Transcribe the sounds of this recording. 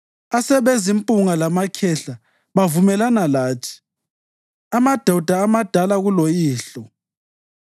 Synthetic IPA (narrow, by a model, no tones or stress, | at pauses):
asɛβezimpʼuŋalamakʰɛɬa | βavumɛlanalaːtʰi̥ | amad̥ʱawud̥ʱaːmad̥ʱalaɣulojiːɬɔ